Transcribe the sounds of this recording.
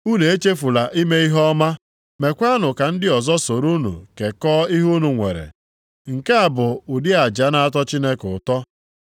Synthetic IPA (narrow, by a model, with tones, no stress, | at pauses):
u˦ne˨e˦t͡ʃe˦fu˨la˨ʔi˦me˦i˦ɦɔ˦ma˦ | me˨kʷa˦nʊ˨ka˨n̩˦dɪ˦ɔ˨zɔ˦so˨ɾu˦nṵ˨ke˨kɔː˦i˦ɦu˦nu˨ŋʷḛ˨ɾḛ˨ | ŋ̩˨ke˦a˨bʊ˨ʊ˨dɪ˦a˨d͡ʒa˦na˦a˦t̬ɔ˦t͡ʃi˦ne˦kʊ˨tɔ˦